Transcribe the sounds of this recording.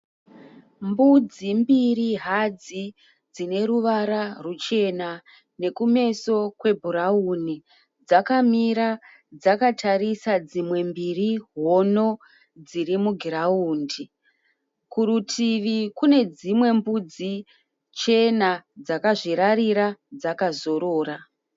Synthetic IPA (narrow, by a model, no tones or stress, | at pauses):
mbud͡zimbiriɦad͡zi | d͡zine̞ɾuʋaɾarut͡ʃe̞na | ne̞kume̞so̞kwe̞bʱuɾauni | d͡zakamiɾa | d͡zakatʰaɾisad͡zimwe̞mbiriɦo̞no̞ | d͡ziɾimuɡʱirauːndi | kuɾutʰiʋikune̞d͡zimwe̞mbud͡zi | t͡ʃe̞nad͡zakaʐiɾaɾiɾad͡zakazo̞ɾo̞ːɾa